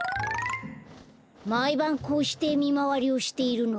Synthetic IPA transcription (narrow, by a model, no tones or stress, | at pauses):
maibãŋkoːɕi̥t̪e̞mʲimaβaɾʲio̞ɕi̥t̪e̞iɾɯ̟no